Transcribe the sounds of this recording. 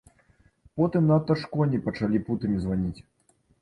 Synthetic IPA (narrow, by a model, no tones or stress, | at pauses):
pɔt̪ɨmnɐt̪ːɐʂkɔnʲipɐt͡ʂalʲiput̪ɨmʲizvanʲit͡sʲ